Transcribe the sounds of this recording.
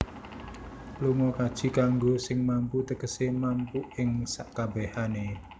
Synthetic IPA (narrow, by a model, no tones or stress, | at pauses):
luŋɔkad̥ʒ̥i̤kaŋɡosɪŋmamput̪əkəsemampuɪŋsaʔkabɛhane